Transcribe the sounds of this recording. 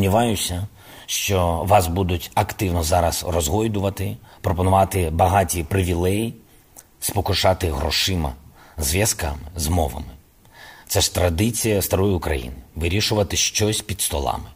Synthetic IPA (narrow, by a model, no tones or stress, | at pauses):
mnʲiʋɑjʊsʲɐ | ʃt͡ʃɔʋɑsbud̪ʊtʲɐkt̪ɪwnɔzɑɾɐsrɔzɦɔjd̪ʊʋɐt̪ɪpɾɔpɔnʊʋɑt̪ɪbɐɦɑtʲipɾɪʋʲilˠɛji | spɔkʊʃɑt̪ɪɦɾɔ̰ʃɪmɐ̰zʋʲjɐskɑ̰mɪzmɔ̰ʋɐ̰mɪ | t̪sɛʂt̪ɾɐd̪ɪt͡sʲijɐst̪ɐɾɔjiʊkɾɐ̰jḭnɪʋɪɾʲiʃʊʋɐt̪ɪʃt͡ʃɔsʲpʲid̪st̪ɔlˠɑ̰mɪ